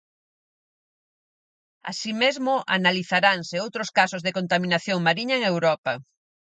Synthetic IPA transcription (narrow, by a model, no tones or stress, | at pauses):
a̰simezmʊʔa̰naliθaɾanseowt̪ɾoskasozðekont̪amĩnaθjoŋmaɾiɲɐeŋewɾɔpɐ